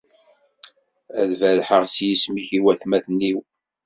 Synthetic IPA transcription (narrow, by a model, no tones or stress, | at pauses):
æðvælħəʁsjismiçiwæθmæθnːiw